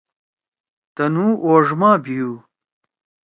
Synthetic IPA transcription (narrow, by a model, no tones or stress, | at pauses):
t̪ɐnuːʔoːʐmaːbijuː